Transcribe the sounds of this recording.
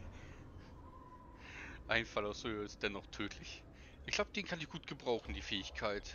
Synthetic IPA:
ʔaɪnfalaʊsoøɪs̚d̥ɛnɔχtʰøːtʰlɪç | ʔɪçɡ̥laʊbəd̥eːnkʰanɪçɡ̥uːt̚ɡ̥əbʁaʊxn̩diːfɛːɪçkʰaɪt

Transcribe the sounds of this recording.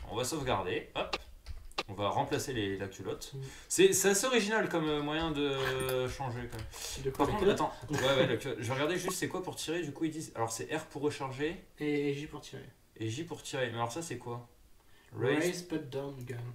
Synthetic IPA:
ɔ̰̃vasɔfɡaʁd̪eɔp | ɔ̃vaʁɑ̃plaselelak̚t̪ylɔt̪ | sɛsɛaseɔʁiʒinalkɔmømwajɛ̃d̪əʃɑ̃ʒekɔmɛmpaʁkɔ̃t̪at̪ɑ̃wɛwɛlak̚t̪ylɔt̪ʒveʁəɡaʁd̪ɛʒyst̪sɛkwapuʁt̪ʰiʁed̪ykuild̪iza̰lɔʁsɛʔɛʁpuʁːəʃaʁʒeeʒipuʁt̪ʰiʁḛ | eʒipuʁt̪ʰiʁemɛalɔʁsasɛkwa | laspat̚d̪anɡa

